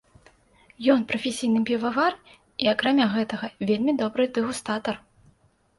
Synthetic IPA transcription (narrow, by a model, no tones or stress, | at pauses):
jɔnpɾɐfʲesʲijnɨpʲivavar | iɐkɾamʲaɣɛt̪ɐɣɐvʲelʲmʲid̪ɔbɾɨd̪ɨɣust̪at̪ɐr